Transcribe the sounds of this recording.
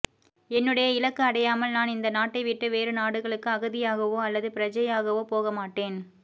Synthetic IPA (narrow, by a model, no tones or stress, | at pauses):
ɛnːɯɽɐjɐɪlɐkːɐɐɽɐjaːmɐlnaːnɪnd̪ɐnaːʈːɐɪʋɪʈːɯʋeːɾɯnaːɽɯɣɐɭɯkːɯɐɣɯðɪjaːɣɐʋoːɐlːɐðɯpɪɾɐd͡ʒɐjaːɣɐʋoːpoːɣɐmaːʈːeːn